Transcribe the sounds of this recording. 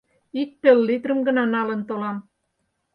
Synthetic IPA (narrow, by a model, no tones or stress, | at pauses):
ik̚t̪ɘlːit̪rə̆mɡə̆nɑnɑlə̆nt̪olɑm